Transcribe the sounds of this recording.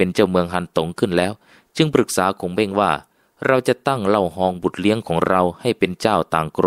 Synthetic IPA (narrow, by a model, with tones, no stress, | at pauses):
pe˧nt͡ɕa˥˩wmɯ˧əŋɦa˧˥˩nt̪o˨˦ŋkʰɯ˥˩nlɛː˦˥w | t͡ɕɯ˧ŋpɾɯ˨˩k̚saː˩˦kʰo˧˩˦ŋbe˥˩ŋwaː˥˩ | ɾa˧wt͡ɕa˨˧˩t̪a˥˩ŋla˧˩wɦɔː˧˩ŋbu˨˩t̪̚li˧˥əŋkʰɔː˩˦ŋɾa˧wha˥˩jpe˧nt͡ɕaː˥˩wt̪aː˨ŋkɾo˧